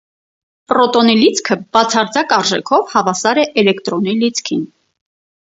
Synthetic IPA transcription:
pɾɔt̪ɔnilit͡sʰkʰəbɑt͡sʰɑɾd͡zɑkɑɾʒɛkʰɔvhɑvɑsɑɾɛʔɛlɛkt̪ɾɔnilit͡sʰkʰin

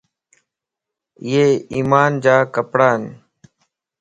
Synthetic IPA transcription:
jeːiːmaːnd͡ʒaːkəpɽaːn

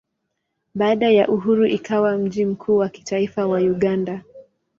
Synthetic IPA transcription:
ɓaːɗajaʔuɦuɾuʔikʰawam̩ʄim̩kʰuːwaki̥taifawauɠanda

